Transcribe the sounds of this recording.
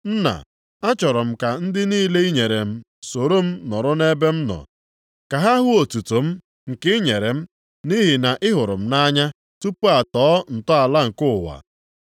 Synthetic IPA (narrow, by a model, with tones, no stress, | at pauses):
n̩˦na̰˨ | a˦t͡ʃɔ˨ɾɔ˨m̩˦ka˨n̩˦dɪ˦niː˦le˦i˦ɲe˨ɾe˨m̩˦ | so˨ɾo˦m̩˦nɔ˨ɾʊ˦ne˦be˦m̩˦nɔ̰˨ | ka˨ɦa˦ɦʊ˦o˨tu˨to˨m̩˦ | ŋ̩˨kɪ˦ɲe˨ɾe˨m̩˦ | ni˦ɦi˨na˨ʔɪ˦ɦʊ˨ɾʊ̰˨m̩˦na˦ɲa˦ | tu˦pu˦a˨tɔː˨˦n̩˨tɔ˦a˨la˦ŋ̩˨kʊ˦˨wa̰˨